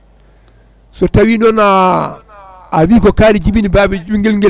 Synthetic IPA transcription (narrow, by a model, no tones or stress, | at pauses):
sɔtawinɔna | wiːkɔkaːɾid͡ʒibinibaːbɛd͡ʒuŋɡilŋɡɛ